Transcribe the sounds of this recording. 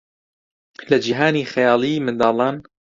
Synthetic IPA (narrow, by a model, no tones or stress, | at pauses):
lɐd͡ʒiɦaːniːxɪjɑːlˠiːmɨnd̪ɑːlˠɑːn